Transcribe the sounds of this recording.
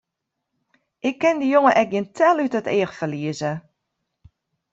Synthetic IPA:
ʔɪkːɪndəjoŋəʔɛk̚ɡɪntʰɛlˠytətɪːəxfəliəzə

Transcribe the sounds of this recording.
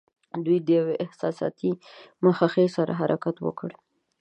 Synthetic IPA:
d̪ujd̪əjaweʔɪhsɑ̰sɑ̰t̪imaxaxesaɾa̰ɦaɾʔakat̪wə̰kəɽ

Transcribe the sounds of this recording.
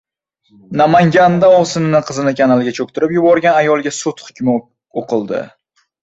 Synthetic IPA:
namaŋɡʲand̪aɒsɪnɪnɪqʰɨzɪnɪkʲʰanalˠɡʲat͡ʃʰok̚ʲt̪ʰɪɾɪpjʊbɒɾɡʲanajɒlˠɡʲasʊt̪χʊ̥kʲmɪ | oqʰɨlˠd̪ɪ̰

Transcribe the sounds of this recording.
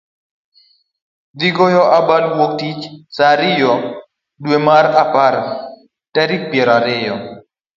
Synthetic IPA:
d̪iɡojɔʔabalwok̚tit͡ʃsaɾɪjɔ | dwemaɾapaɾ | tɛɾik̚pjɛɾaɾɪjɔ

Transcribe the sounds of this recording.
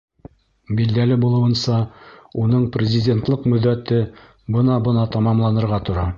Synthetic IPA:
bild̪ælɘbulˠɤ̆wɤ̆nsɑunɤɴprʲɪzʲɪdʲe̞nt̪lˠɤqmɵ̆ðːæt̪ɘ | bɤnɑbɤ̆nɑt̪ɑmɑmlˠɑnɤ̆ɾʁɑt̪ŏɾɑ

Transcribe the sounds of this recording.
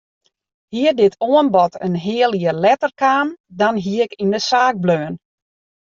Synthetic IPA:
hiədɪtʰoənbɔtʰənɦɪəlˠjəlɛtərkaːmdɔnɦiəkindəsaːɡ̚bløːən

